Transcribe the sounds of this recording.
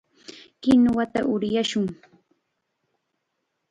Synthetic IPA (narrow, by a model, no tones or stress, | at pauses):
kɪnwat̪aʔʊɾjaʃʊŋ